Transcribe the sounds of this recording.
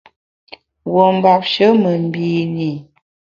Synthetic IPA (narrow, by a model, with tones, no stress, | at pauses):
wo˨m̩˨ba˨p̚ʃə˦mə˨m˦bi˨ni˨